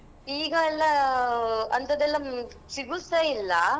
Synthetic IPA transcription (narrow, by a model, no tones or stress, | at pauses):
iːɡɐːlːɐ | ɐnt̪ɐd̪ɛlːɐ | siɡusɐilːɐ